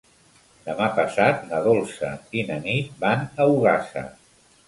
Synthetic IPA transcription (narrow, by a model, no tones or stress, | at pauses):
d̪əmapəsat̪nəðolˠsə̰inənit̪̚banəuɣasə̰